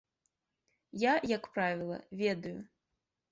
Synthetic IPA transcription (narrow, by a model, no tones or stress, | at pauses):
jajɐkpɾavʲilˠɐ̰vʲɛd̪ɐju